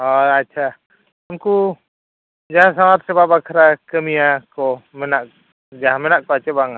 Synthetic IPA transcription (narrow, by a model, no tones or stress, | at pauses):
ɔatːt͡ʃʰa | amku | d͡ʒaɦãsamat̪sɛbabakʰɾakəmijakɔmɛnaʔ | d͡ʒaɦãmɛnaʔkɔat͡ʃɛbaŋa